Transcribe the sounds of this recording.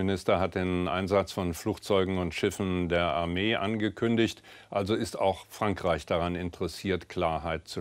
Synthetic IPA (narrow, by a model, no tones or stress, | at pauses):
ɪnɪstɐɦat̚d̥eːnʔa̰ɪnzat͡sfɔnfluːkt͡sɔʏɡŋ̩ʊntʃɪfn̩deːɐʔaɐmeːʔanɡəkʰʏndɪçt | ʔalzoɪstaʊxfʁ̥aŋkʁ̥aɪçd̥aʁanɪntəʁɛsiːɐtkl̥aːɐɦaɪt̚t͡su